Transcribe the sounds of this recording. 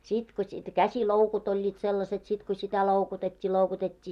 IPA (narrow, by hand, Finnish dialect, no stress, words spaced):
sit ko sit kæsiloukut olʲːiːt selːɑset sit ko sitæ loukutetʲːiː loukutetʲːiː